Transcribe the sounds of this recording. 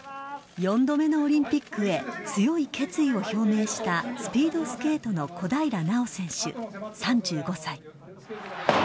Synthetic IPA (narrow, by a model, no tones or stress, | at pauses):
jõ̞nd̪o̞me̞no̞ːɾʲĩmpʲikːɯ̟e̞t͡sɨjo̞ike̞t͡sɨio̞ço̞ːme̞ːɕi̥t̪asɨ̥pʲiːd̪o̞sɨ̥ke̞ːt̪o̞no̞kʰo̞d̪aiɾanao̞sẽ̞ɰ̃ɕɨ̰sãɲ̟d͡ʑɨːɡo̞sai